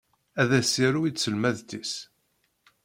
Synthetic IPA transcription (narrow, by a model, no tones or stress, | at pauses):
æðæsiɾuisəlmæðt̪is